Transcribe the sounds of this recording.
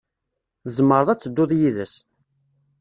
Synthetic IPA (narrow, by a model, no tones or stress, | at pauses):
ðəzˤmːəɾˤðˤæt͡sːəd̪ːoðˤjiðəs